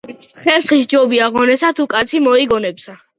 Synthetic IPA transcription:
χɛnχisd͡ʒɔbiaʁɔnɛsat̪ʰukʼat̪sʰimɔiɡɔnɛpsa

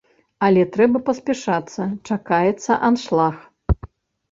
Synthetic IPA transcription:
ɐlʲɛt̪ɾɛbɐpɐsʲpʲɛʂat̪sːɐt͡ʂakajɛt̪sːɐʔanʂlˠax

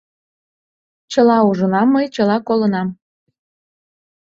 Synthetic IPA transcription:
t͡ɕəlɑuʒənɑmːəjt͡ɕəlɑkolənɑm

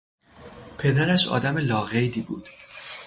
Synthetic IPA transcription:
pʰe̞d̪æɾæʃɒ̰ːd̪æmelɒːɣejd̪iːbuːd̪̥

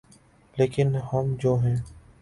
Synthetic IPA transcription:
leːkɪnhəmd͡ʒoːɦɛ̃ː

